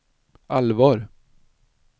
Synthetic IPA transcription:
ʔalvɑːɾ

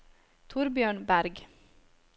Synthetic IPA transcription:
t̪ʰʊɾbjøːɳbæɾɡ

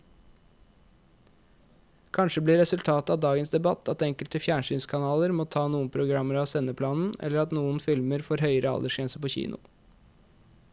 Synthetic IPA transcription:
kʰɑnʃəbliːɾɛsʉlt̪ʰɑːt̪əɑd̪ɑːɡənsd̪ɛbɑt̪ʰɑt̪ɛŋkəlt̪əfjæːɳʂyːnskʰɑnɑːləɾmoːt̪ʰɑːnuːənpʰɾʊɡɾɑməɾɑʋsɛnəpʰlɑːnn̩ɛ̰ləɾɑt̪nuːənfɪlməɾfoːɾɦœʏəɾʔəɑ̰ld̪əʂɛnsəpoːçḭːnʊ̰

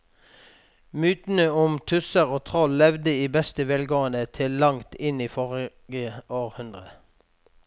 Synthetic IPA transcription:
mʉːt̪n̩əʊmt̪ʰʉsəʁoːt̪ʰʁɔlːɛʋd̪əiːbɛst̪əʋeːlɡoːənət̪ʰɪllɑŋt̪ɪniːfɔʁ | ɡəoːʁhʉnd̪ʁə

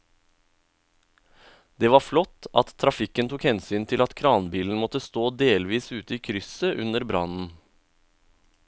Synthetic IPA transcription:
d̪̥eːʋɑːflɔt̪ɑt̪t̪ʰːɾɑfɪkənt̪ʰukhɛnsyːnt̪ʰɪlɑt̪kʰɾɑːnbiːln̩mɔt̪əst̪oːd̪eːlʋiːsʉːt̪əiːkʰɾʏsəʔʉnəɾbɾɑ̰nn̩

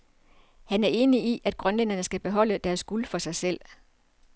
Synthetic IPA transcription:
hænæɐe̝ːniiʔæd̥̚ɡ̥ʁɶnlen̰ɐnəsɡ̥æb̥e̝ɦɒ̽l̰əd̥æɐsɡ̥ulfɒ̽sɑ̈ɪsel̰

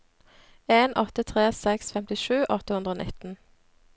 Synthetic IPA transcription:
eːnʔɔt̪ət̪ʰʁeːsɛksfɛmt̪ɪʃʉːʔɔt̪əhʉnd̪ʁəoːnɪ̰t̪n̩

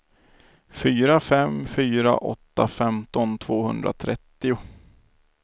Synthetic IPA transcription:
fyːɾafɛmfyːɾa̰ʔɔ̰t̪ːafɛmt̪ɔnt̪ʰvoːhɵnd̪ɾa̰t̪ʰɾɛt̪ːɪʊ

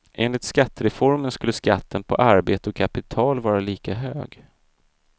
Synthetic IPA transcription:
ʔeːnlɪt̪skat̪ːəɾɛfɔɾmənskɵlːəska̰t̪ʰːənpʰɔ̰ʔaɾbeːt̪əɔkʰapɪt̪ʰɑːlvɑːɾaliːkaɦøːɡ

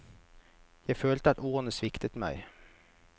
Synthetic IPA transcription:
jæɪføːlt̪əɑt̪oːnəsʋɪkt̪ət̪mæ̰ɪ

